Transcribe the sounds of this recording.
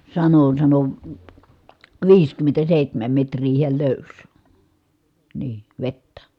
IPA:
sɑno sɑno ʋiːskymːentæseˑihtæmæm metrˑiː hiæl løˑys niː ʋetːæ

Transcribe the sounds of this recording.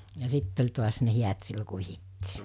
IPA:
jɑ sitː olʲ tuɑs ne hiæt silːo ku ʋihitːiː

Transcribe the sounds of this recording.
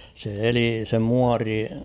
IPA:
se eli se muɑri

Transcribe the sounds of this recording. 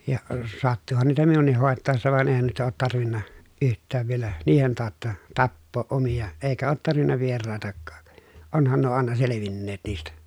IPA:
jɑ sɑtːuhɑn niːtæ minunˑih hoˑetːɑˑesːɑ ʋɑn eˑi̯hæn nuitɑ oːt tɑrʋinːɑ yhtˑæːʋ ʋielæ niːhen tɑːtːɑ tɑpːoːʔ ʔomij̆ɑ eˑikæ oːt tɑrʋinːɑ ʋierɑˑetɑkːɑ̥ː onhɑn nuo ɑˑenɑ seleʋinːeːt niːstæ

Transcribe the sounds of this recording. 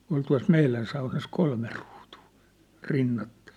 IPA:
ol tuɑ̝s meilæn sɑunɑs kolme ruːtuː rinːɑtːɑ̥ĭ̥

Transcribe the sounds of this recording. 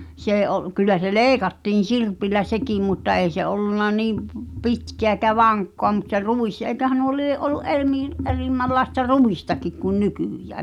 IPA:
s eː ʔo kylˑæ se leːĭkɑtːiːn̞ sirpilːæ sekiˑm mutːɑ ei se olːunːɑ niːm p pitkeæ ekæ ʋɑŋkːoɑ mut se ruˑis eĭkøhæ nuo lieʔ ʔoluʔ ʔer miːl ʔerimːælːɑestɑ ruistɑkik kun nykyˑjæː

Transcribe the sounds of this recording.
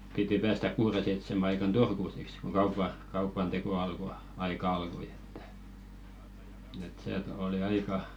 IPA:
piti pæːstæk̆ kuːre seitsemæ ɑikɑn turku siks ko kɑupɑ kɑupɑn teko ɑlko ɑikɑ ɑlkoĭ e̥tːæ̥ et seːt oli ɑikɑ

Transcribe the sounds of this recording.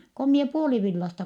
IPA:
ko mie puoliʋilːɑstɑ

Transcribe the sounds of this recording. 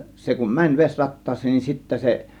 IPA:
se kun mænʲ ʋesʲrɑtːɑːsˑeːn nin sitːæ se

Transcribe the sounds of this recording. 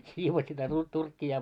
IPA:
siːʋos sitæ tu turkːiɑ

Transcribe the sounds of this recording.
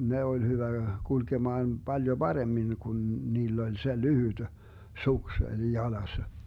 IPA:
ne olʲ hyʋæ kulkemɑːn b̥ɑljo b̥ɑremːin kun niːlː olʲ se lyhyd̥ suks olʲ jɑlɑsːɑ

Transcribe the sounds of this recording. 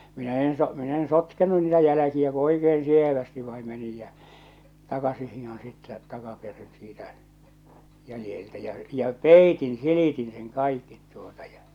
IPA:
minæ en so min en sotkenu niːtæ jælækiæ ko oikeen sieʋæsti ʋɑi menij jæ tɑkɑsih hihon sitːæ tɑkɑperin siːtæ jælĭjeltæ jɑ̟ jɑ̟ peˑitin siliˑtin sen kɑˑikːit tuotɑ jɑ

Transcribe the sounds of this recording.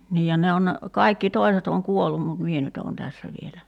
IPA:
niːj jɑ ne on ne kɑikːi toi̞set oŋ kuolːum mut mie nyt oːn tæsːæ ʋielæ

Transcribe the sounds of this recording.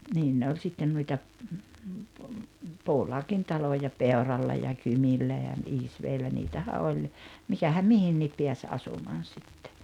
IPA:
niːn ne olʲ sitːen nuitɑ puːlɑːkin tɑlojɑ peorɑlːɑ jɑ kymilːæ jɑ isʋeːlːæ niːtæhæ olʲ mikæhæm mihinːiːp piæs ɑsumɑːn̞ sitːe̥

